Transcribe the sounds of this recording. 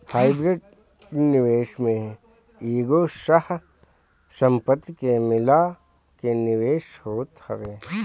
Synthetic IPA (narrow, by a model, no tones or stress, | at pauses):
haːibɾeɖ | nɪʋeːʃmẽ | iːɡoʃəh | sə̃mpət̪ːkemɪla | kenɪʋeːʃhoːt̪hɐʋeː